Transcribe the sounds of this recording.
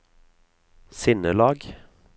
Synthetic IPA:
sɪnəlɑːɡ

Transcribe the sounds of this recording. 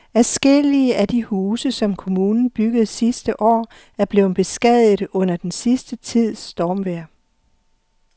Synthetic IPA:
æsɡ̥el̰iəʔæd̥ihuːsəsɒ̽mkʰo̝muːnn̩b̥yɡ̥ð̞̩ˠsisd̥əʔɒ̰ː | æɐb̥le̝ʊb̥e̝sɡ̥ɛð̰ˠð̩ˠɔ̽n̰ɐd̥ensisd̥ət͡sʰið̞̰ˠsd̥ɒːmʋeɐ̰

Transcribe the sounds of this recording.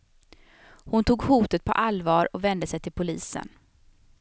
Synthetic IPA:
hʊnt̪ʰuːɡhuːt̪ət̪̚pʰɔ̰ʔalvɑːɾɔkvɛnd̪əsɛjt̪ʰɪlpʰʊliːsə̰n

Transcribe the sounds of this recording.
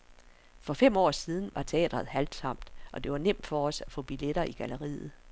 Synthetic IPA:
fɒ̽fem̰ɒ̰ːsiːð̞ˠn̩ʋɑ̈t͡sʰeɛ̰ːd̥ʁɐð̩ˠhæld̥sɒ̽m̰d̥ʔɒ̽d̥e̝ʋɑ̈nem̰d̥fɒ̽ɒ̽sæfɔ̰̽ːb̥ileɾ̥ɐʔiɡ̥æləʁḭːð̩ˠ

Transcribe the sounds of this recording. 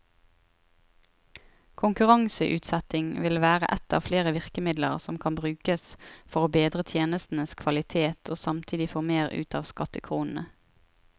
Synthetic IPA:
kʰʊŋkʉʁɑŋsəʔʉ̰ːt̪sɛt̪ɪŋʋɪlʋæːʁə̰ʔɛt̪ɑ̰ːʋfleːʁəʋɪʁkəmɪd̪lə̰ʁsɔmkʰɑnbʁʉːkəsfɔʁoːbeːd̪ʁət̪ʰjeːnəst̪n̩əskʰʋɑlɪt̪ʰeːt̪ʰoːsɑmt̪ʰiːd̪ɪfoːmeːʁʉ̰ːt̪ɑːʋskɑt̪əkʰʁuːnn̩ə

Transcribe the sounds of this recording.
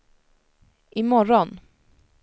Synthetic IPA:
ʔɪmɔɾɔn

